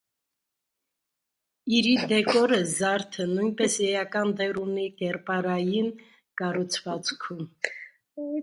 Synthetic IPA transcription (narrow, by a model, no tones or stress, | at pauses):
iɾid̪ɛkɔɾəzɑɾt̪ʰənujnpɛsjɛjɑkɑnd̪ɛruniɡɛɾpɑɾɑjin | kɑrut͡sʰvɑt͡skʰum